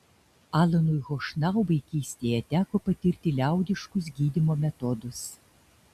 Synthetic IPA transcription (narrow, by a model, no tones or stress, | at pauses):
ɑːlˠɐnʊjɣɔʃnɑˑʊʋɐɪkʲiːsʲt̪ʲejɛt̪ʲæːkoːpɐt̪ʲɪɾʲt̪ʲɪlʲæˑʊd̪ʲɪʃkʊs̬ɡʲiːd̪ʲɪmoːmʲɛt̪ɔd̪ʊs